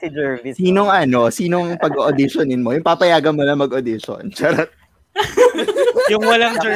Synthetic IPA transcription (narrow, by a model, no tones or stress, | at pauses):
d͡ʒsiːnoŋʔɐno̞siːno̞ŋpɐɡoʔod̪ɪʃonɪnmo̞jʊŋpaːpɐjaːɡɐnmʊnɐŋmɐɡʔod̪ɪʃo̰nt͡ʃɐɾɐt̪ | jʊŋwɐlaŋd͡ʒ